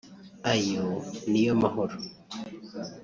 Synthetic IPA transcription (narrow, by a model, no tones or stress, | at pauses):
ajonijomaɦoɾo